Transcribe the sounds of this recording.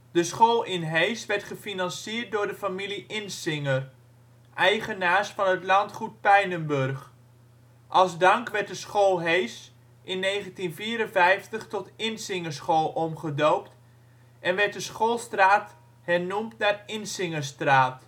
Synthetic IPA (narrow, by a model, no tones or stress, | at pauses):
d̥əsχoːlˠɪnɦejsʋɛɹtχəfinɑnsiːrt̚dʊːɹdəfamiliʔɪnsɪŋər | ʔɛjχənaːɹsfɑnətlɑntχut̚pɛjnənbɵrχ | ʔɑlˠzdɑŋkʋɛɹt̚dəsχolˠɦejs | ʔɪnːejχəntinviːɾənvɛjftəχtɔtɪnsɪŋəɹsχoːlˠʔɔmχədowpt | ʔɛnʋɛɹt̚dəsχolˠstraːt | hɛrnumtnaːrɪnsɪŋəɹstraːt